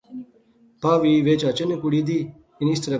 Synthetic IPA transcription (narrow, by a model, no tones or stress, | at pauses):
paːʋiʋeːt͡ʃaːt͡ɕenekuɽid̪i | inist̪ɾe